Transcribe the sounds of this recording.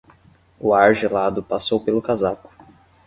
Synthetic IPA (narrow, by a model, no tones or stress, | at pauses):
ʊaɾʒelad̪ʊpasowpelʊkazakʊ̥